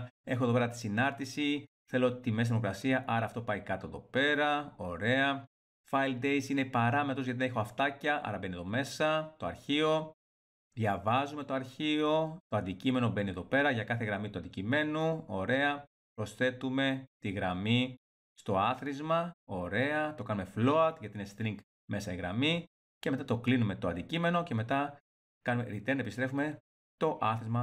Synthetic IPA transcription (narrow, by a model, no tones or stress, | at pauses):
e̞xoðo̞peɾɐt̪i̥sinɐɾt̪isi | θe̞lo̞t̪imes̬imokɾɐsiɐʔɐɾɐːft̪o̞pɐikɐt̪oe̞ðo̞pe̞ɾɐo̞ɾe̞ɐ | fɐild̪e̞jsine̞pɐɾɐmet̪ɾo̞zʝɐt̪inexoɐft̪ɐcɐʔɐ̰ɾɐbe̞nieðo̞me̞sɐt̪o̞ɐ̰ɾçio̞ | ðʝɐvɐzume̞t̪o̞ɐɾçio̞t̪o̞ɐnd̪icime̞no̞be̞nie̞ðo̞pe̞ɾɐʝɐkɐθe̞ɣɾɐmit̪uɐnd̪icime̞nuo̞ɾe̞ɐ | pɾo̞sθe̞t̪ume̞t̪iɣɾɐmi | st̪o̞ɐθɾizmɐo̞ɾe̞ɐt̪o̞kɐnume̞flo̞ɐt̪ʝɐt̪inest̪ɾiŋɡ | me̞sɐiɣɾɐ̰mi | ceme̞t̪ɐt̪o̞klinume̞t̪oɐnd̪icime̞no̞ce̞me̞t̪ɐ | kɐnumeɾit̪enɐepist̪ɾe̞fume̞ | t̪o̞ʔɐθɾizmɐ